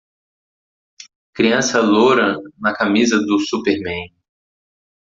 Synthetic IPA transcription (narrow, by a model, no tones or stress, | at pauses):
kɾiɐ̃sɐloɾɐ̃nɐkamizɐd̪ʊsupeɾmẽj̃